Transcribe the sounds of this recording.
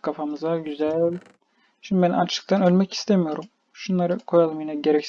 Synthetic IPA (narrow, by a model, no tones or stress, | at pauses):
kʰafamɯzaɟyzælʲlʲ | ʃimd̪ibænat͡ʃʰɯ̥k̚t̪ʰanø̞lʲmɛci̥st̪ʰemijo̞ɾum | ʃunlˠaɾɯkʰo̞jalˠmajnaɟe̞ɾɛcs